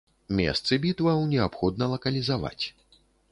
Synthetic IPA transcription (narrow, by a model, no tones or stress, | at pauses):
mʲɛ̰st̪sɨbʲit̪vɐwnʲɛapxɔd̪nɐlˠɐkɐlʲizava̰t͡sʲ